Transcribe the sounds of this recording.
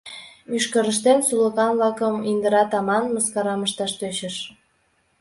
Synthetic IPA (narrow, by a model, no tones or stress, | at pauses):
yʃkəɾəʃt̪ensulə̆kɑmβlɑkəmind̪əɾɑt̪ɑmɑnməskɑɾɑməʃt̪ɑʃt̪øt͡ɕəʃ